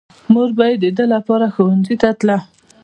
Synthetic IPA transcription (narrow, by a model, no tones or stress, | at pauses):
muɾbajed̪ːəd̪əlapɑɾaxowanzit̪at̪la